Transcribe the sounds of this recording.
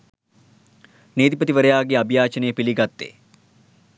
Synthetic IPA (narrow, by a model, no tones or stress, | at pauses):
neːd̪ipət̪iʋəɾɐjaːɡeabʱjaːt͡ʃɐnejəpiliɡɐt̪ːḛː